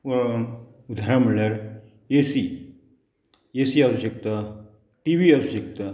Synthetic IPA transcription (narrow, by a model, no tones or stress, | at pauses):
ud̪ʱaɾam̤əɳlaɾ | jesi | jesiasuɕek̚t̪a | ʈiʋiasuɕekt̪a